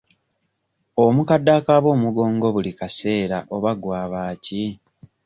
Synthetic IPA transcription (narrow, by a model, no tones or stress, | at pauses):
omukadːakaβo̞ːmuɡo̞ːŋɡo̞βulikase̞ːɾaʔo̞βaɡwaːβaːci